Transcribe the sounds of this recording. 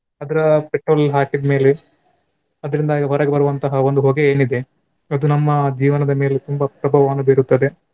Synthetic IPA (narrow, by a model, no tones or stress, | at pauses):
ɐd̪ɐɾɐpeʈɾoːlɦaːʈibme̞ːle | ɐd̪ɐɾind̪aːɡɐɦɐɾɐɡɐbɐɾuʋɐnt̪ɐɦɐo̞nd̪uɦo̞ːɡeeːnid̪e̞ | ɐd̪unɐmːɐd͡ʒiːʋɐnɐd̪ɐme̞ːlet̪umbɐpɾɐbʱɐʋaːnubeɾut̪ːɐd̪e̞